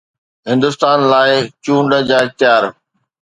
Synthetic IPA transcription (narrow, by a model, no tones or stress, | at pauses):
ɦɪ̃nd̪ʊst̪aːnlaːɪt͡ɕũːɳɖəd͡ʑaːɪxt̪ɪjaːɾ